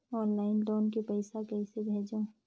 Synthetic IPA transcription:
ɔːnlaːɪnʈoːnkipəɪsakɐisebʱeːd͡ʒõː

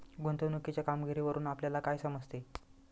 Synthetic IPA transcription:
ɡʱunt̪onukit͡ɕjakamɡʱiɾiːʋəɾuːnapljalakajsəməd͡zt̪e

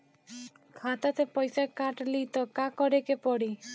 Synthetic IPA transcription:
kʰat̪at̪ʰepɔjsakaʈlit̪ɔkakɔɾekepɔɽi

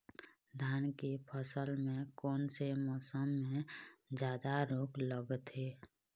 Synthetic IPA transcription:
d̪ʱaːnkepʰəsəlmẽkɔːnsemɔːsəmːẽd͡ʒjaːd̪aɾoːkləɡt̪ɦeː

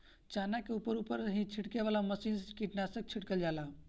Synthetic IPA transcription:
t͡ʃanakeupəɾupəɾɦĩt͡ʃʰiʈkeʋalaməsinzkiʈnasək̚t͡ʃʰiʈkəld͡ʒala

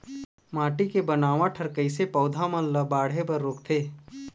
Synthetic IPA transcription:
maːʈikebənaːʋãʈʰəɾkəisepɔːʊd̪ʱamə̃lːəbaːɽ̤ɦepəɾːoːkt̪ʰeː

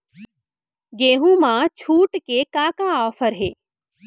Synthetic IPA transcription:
ɡeːɦũmãt͡ʃʰuːʈkekãkãɔːfəɾɦeː

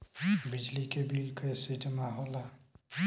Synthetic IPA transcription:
bid͡ʒlikebilkʰesitmaɦɔla

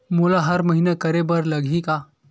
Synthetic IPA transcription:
mulaɦəɾməɦinekəɾebəɾləɡʱika

